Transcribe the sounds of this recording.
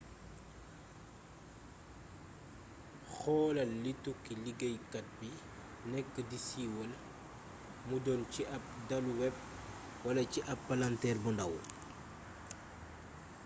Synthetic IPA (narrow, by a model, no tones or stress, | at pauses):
xɔːlɐlitukːiliɡɐjkɐt̚bi | nɛkːədisiːwɐl | mudɔnciʔɐp̚dɐluwɛp̚ | wɐlɐciʔɐpːalantɛːrbundɐw